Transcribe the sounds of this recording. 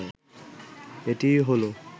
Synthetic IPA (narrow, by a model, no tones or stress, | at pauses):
etijɦolo